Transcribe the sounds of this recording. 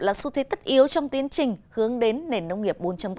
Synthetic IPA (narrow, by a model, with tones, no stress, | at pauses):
laː˨˩su˧t̪ʰe˨˦t̪ə˦˥t̚ʔi˨˦əwt͡ɕɔ˧wŋ͡mt̪i˨˦ənt͡ɕï˨˩ŋ̟hɨ˨˦əŋɗe˨˦nːe˨˩nːə˧wŋ͡mŋi˨˩əp̚ɓo˨˦nt͡ɕa˧mk